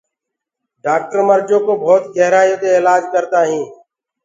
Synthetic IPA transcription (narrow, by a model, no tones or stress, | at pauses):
ɖaːk̚ʈəɾməɾd͡ʒõːkoːbʱɔːt̪ɡʱɛɦɾaːjoːt̪eeːlaːd͡ʒkəɾt̪aːɦĩː